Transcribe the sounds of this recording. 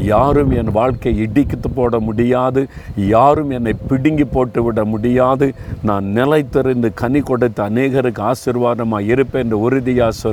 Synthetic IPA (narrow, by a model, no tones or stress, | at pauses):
jaːɾɯmɛnʋaːɭkɐɪɪɽɪkːɯt̪ːɯpoːɽɐmʊɽɪjaːðɯjaːɾɯmɛnːɐɪpɪɽɪŋɡipoːʈːɯʋɪɽɐmʊɽɪjaːðɯnãːnnɪlɐɪt̪ːɪɾɐnd̪ɯkɐnikːɔɽɯt̪ːɐɐneːɣɐɾɯkːɯaːsɪɾʋaːɾɐmaːɪɾɯpːeːndrɐʊɾɪðɪjaːsɐ